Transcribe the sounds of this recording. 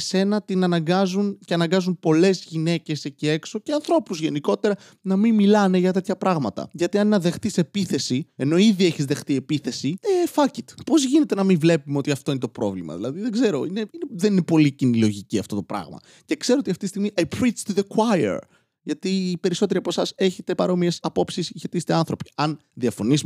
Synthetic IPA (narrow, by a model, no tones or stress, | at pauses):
se̞nɐt̪inɐnɐŋɡɐzunceɐnɐŋɡɐzunpo̞le̞zʝine̞ce̞secie̞kso̞ceɐnθɾo̞puzʝe̞niko̞t̪e̞ɾɐ | nɐmimmːilɐne̞ʝɐt̪e̞t̪çɐpɾɐɣmɐt̪ɐ̰ʝɐt̪iɐnenɐðe̞xθise̞piθe̞sie̞no̞iðie̞çizðe̞xθie̞piθe̞siefɐcit̪po̞zʝine̞t̪e̞nɐmiɱvle̞pumeo̞t̪iɐft̪o̞inet̪o̞pɾo̞vlimɐ̰ðilɐðiðe̞ɡze̞ɾo̞ineineðeninepo̞licinilo̞ʝiciɐft̪o̞t̪o̞pɾɐ̰ɣmɐ̰ | ce̞kse̞ɾoot̪iɐft̪itist̪iɣmiʔapɾist̪uðekwajḛɾ | ʝɐt̪ipe̞ɾiso̞t̪e̞ɾiɐpo̞sɐse̞çe̞t̪e̞pɐɾo̞miesɐpo̞psisçet̪ist̪eɐnθɾo̞pi̥ɐn | ðiɐfo̞nis